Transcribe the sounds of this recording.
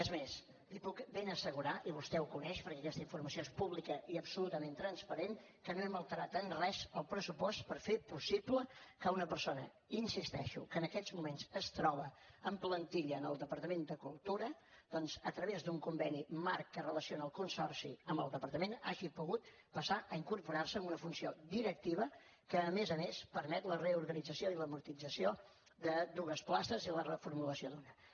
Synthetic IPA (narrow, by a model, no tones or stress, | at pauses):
əzmes | lipukbenəsəɣuɾaʔiβust̪ɛukunɛʃpəɾkɛəkɛst̪əiɱfurməsioespuβlikəʔiəpsulut̪əment̪ɾənspəɾen | kənoɛməlˠt̪əɾat̪ənrɛzəlˠpɾəsupɔst̪pəɾfepusibləkəunəpəɾsonə | insist̪ɛʃṵkəːnəkɛzmumenzəst̪ɾɔβəəmplənt̪iʎəːnəlˠd̪əpəɾt̪əmend̪əkulˠt̪uɾə | d̪̥ɔnzət̪ɾəβezd̪uŋkumbɛnimaɾkkərələsionaəlˠkunsɔrsḭəmbəlˠd̪əpəɾt̪əmena̰ʒipuɣut̪ | pəsaʔəiŋkuɾpuɾarsəəmbunəfunsiod̪iɾək̚t̪iβ̞əkəːmezəmespəɾmɛt̪ləreuɾɣənid͡zəsioiləmuɾt̪id͡zəsio | ðəd̪uɣəsplast̪əzilərəfuɾmuləsiod̪unə